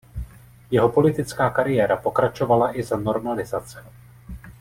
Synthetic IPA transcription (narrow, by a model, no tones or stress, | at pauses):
jɛɦo̞po̞lɪt̪ɪt͡skaːkaɾɪjɛːɾapo̞kɾat͡ʃo̞valaʔɪzano̞ɾmalɪzat͡sɛ̥